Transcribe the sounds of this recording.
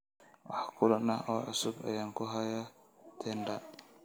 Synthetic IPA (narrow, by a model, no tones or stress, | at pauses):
wɑ̰ħkʰʊlɐnɐʔɔːʕʊ̰sʊbɐ̰jaːŋkʰʊɦɐjɐ | t̪ʰɛːnɖɐ